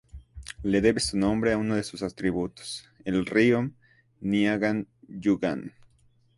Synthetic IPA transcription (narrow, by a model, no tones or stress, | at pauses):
le̞ðe̞βesunõmbɾeaunoðesusat̪ɾiβut̪o̥s | elriom | niaɣand͡ʒuɡa̰n